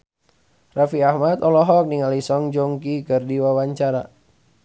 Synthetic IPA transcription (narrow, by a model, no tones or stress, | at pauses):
rafiahmat̪ɔlɔɦɔk̚niŋalisɔŋd͡ʒoŋkikərdiwawaɲt͡ʃaɾa̰